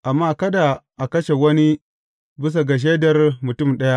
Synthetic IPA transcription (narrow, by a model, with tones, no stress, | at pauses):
ʔa˨mːaː˦kɐ˦da˨ʔa˨kɐ˦ʃe˨wɐ˦ni˦ | bɪ˦s̬a˨ɡa˨ʃ̬eː˦dɐ˨rmʊ˨tʊ˦˨mɗɐ˦ja˦ʔ